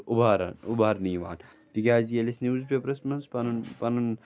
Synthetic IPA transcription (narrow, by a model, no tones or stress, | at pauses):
ubʱaːɾa̰nubʱaːɾniːʋa̰ːn | t̪ikʲaːzijɐlisnizpʲepɾɐsmɐnzpɐnnpɐnɐn